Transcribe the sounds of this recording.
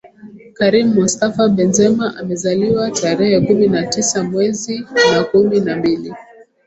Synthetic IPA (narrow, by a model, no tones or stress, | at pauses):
kaɾimuːustafaɓɛnzɛmaʔamɛzaliwataɾɛhɛkuminatisamwɛzinakuminambili